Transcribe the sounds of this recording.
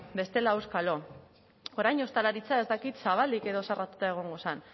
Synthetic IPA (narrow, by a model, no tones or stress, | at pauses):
be̞st̪e̞lawskalo̞ | o̞ɾajɲo̞st̪alaɾit͡sae̞zt̪akit̪saβ̞ald̪ike̞ðo̞sarat̪ut̪ae̞ɣ̞o̞ŋɡo̞san